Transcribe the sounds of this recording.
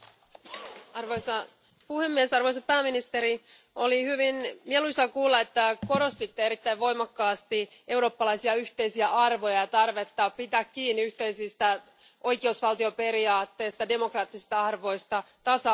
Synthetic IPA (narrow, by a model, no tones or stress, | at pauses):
ɑrʋojsɑ | puhe̞mːiesɑrʋo̞js̬ɑpæːminist̪eɾi | o̞lihyʋinmielusɑkuːlːɑet̪ːæko̞ɾo̞st̪it̪ːeeɾit̪ːæjʋʋo̞jmɑkːɑːst̪i | ʔe̞uɾo̞ːpːɑlɑjsiɑyht̪e̞jsiæʔɑrʋo̞jɑjɑt̪ɑrʋe̞t̪ːɑpit̪ækːiːnːiyht̪e̞isist̪æ | o̞jkeusʋɑlt̪io̞pe̞ɾiɑːt̪ːe̞ːst̪ɑde̞mo̞krɑːt̪ːisi̥st̪ɑɑrʋo̞jst̪ɑt̪ɑsɑ